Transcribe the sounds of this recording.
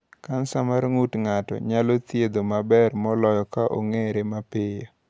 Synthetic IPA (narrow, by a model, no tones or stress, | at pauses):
kansamaɾŋutŋatɔ̰ɲalot̪jed̪omabɛrmɔlɔjɔkaʔo̰ŋeɾemapɪjo